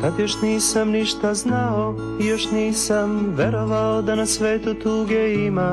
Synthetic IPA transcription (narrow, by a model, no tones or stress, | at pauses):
kad̪jo̞ʃniːsamniʃt̪aznao̞ | ijo̞ʃniːsamʋe̞ɾo̞ʋaod̪anasʋe̞ːt̪ut̪uːɡeima